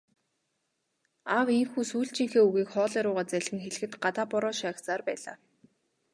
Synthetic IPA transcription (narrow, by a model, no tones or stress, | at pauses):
aweŋxuːsuːɬt͡ɕiːŋxeːuɣiːkχɔːɮæːɾʊːʁaːt͡sæɮxɘ̆ŋxeɮɘ̆xɘ̆t̪ɢat̪aːpɔɾɔːʃaːkt͡saːrpæːɮa̰ː